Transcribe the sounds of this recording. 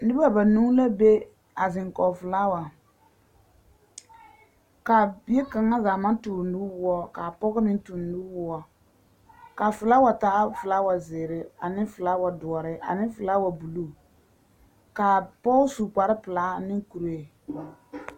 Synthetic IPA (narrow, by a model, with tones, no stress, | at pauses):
nɪ˦ba˦ba˨nu˦la˦be˦ | a˨zɪ˨ŋkɔ˨fɨ˨la˦wa˨ | ka˨bi˦e˦ka˨ŋːa˦za˨ma˦n˦tuː˨ndu˦wʊ˦ɔ˦ka˨pɔ˦ɡɪ˦nɪ˦n˦tu˨n˨du˦wʊ˦ɔ˦ | ka˨fɨ˨la˦wa˨ta˦fɨ˨la˦wa˨zɪ˨ɾɪ˦a˨nɪ˦fɨ˨la˦wa˨dʊ˨ɔ˨ɾɪ˦ʔa̰˨nɪ˦fɨ˨la˦wa˨bu˨lu˦ | ka˨pɔ˦su˨k͡pa˨ɾɪ˦pɨ˨la˦nɪ˦ŋ˦ku˨ɾe˦˨